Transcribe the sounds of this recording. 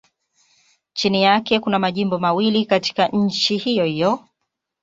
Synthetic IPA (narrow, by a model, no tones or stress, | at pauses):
t͡ʃinijakɛkunamaʄimbɔmawilikati̥kaɲ̩t͡ʃihijɔhijɔ